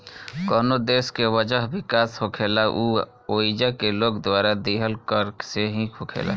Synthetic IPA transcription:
koːnod̪eːskewəd͡ʒəɦbɪkaːshokʰeːlaʔuː | oːid͡ʒakeloːɡd̪waːɾad̪iːɦəlkəɾseɦĩkʰokʰḛːla̰ː

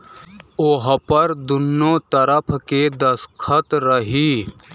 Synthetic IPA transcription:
oɦpɐɾd̪ʊnːoːt̪ɐɾəpʰked̪ɐskʰət̪ɾɐɦiː

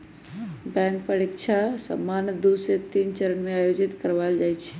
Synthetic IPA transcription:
bɛ̃ŋkpəɾɪkt͡ʃʰasə̰mːanjəd̪uset̪iːnt͡ʃəɾənmẽaːjod͡ʒit̪kəɾʋald͡ʒajt͡ʃʰɛ̥

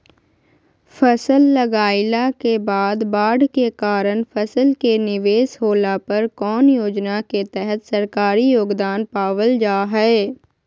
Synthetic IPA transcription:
fɐsəlːɐɡaːɪlakebaːd̪baːɖkekaːɾənfʰɐsəlkenɪʋeːsɦoːlapɐɾkɔːnjoːd͡ʒnaket̪ɛɦɛt̪sɐɾkaːɾijoːɡd̪aːnpaːʋəld͡ʒaːɦɛ

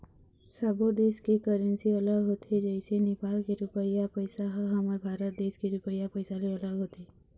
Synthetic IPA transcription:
səbod̪eːskikəɾənsiələɡɦot̪ʰid͡ʒəɪsenɪpaːlkeɾʊpəjapəɪsaɦəɦəməɾbʱaːɾət̪̚d̪eːskiɾʊpəjapəɪsaliələɡɦot̪i

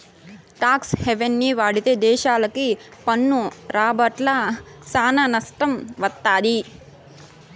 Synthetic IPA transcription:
ʈaːksheʋenːiʋaːɽit̪eːd̪ɛːʃaːlɐkipɐnːuɾaːbɐʈlɐsaːnɐnɐsʈɐmʋɐt̪ːaːd̪i

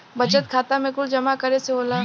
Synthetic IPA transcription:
bɐt͡ʃət̪̚kʰaːt̪amẽkʊld͡ʒɐmakɐɾeseoːlaː

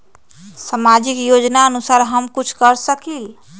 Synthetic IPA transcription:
səmad͡ʒikjod͡ʒnaənusaɾɦəmkut͡ʃʰkəɾsəkil

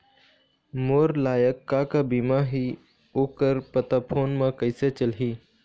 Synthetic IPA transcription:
moːɾlaːjəkːaːkabiːmaɦi | oːkəɾpət̪apʰoːnmãkəɪset͡ʃəlɦiː

